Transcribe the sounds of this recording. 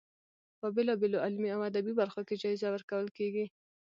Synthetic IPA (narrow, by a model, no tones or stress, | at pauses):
pəbelɑbeloalmiawad̪abibaɾxoked͡ʒɑizawəɾkawəlkeɡi